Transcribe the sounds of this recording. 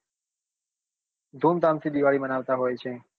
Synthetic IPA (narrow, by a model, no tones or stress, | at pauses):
d̪ʱuːmt̪ãmt̪ʰid̪iʋaɭimənaːʋt̪aɦojt͡ʃʰe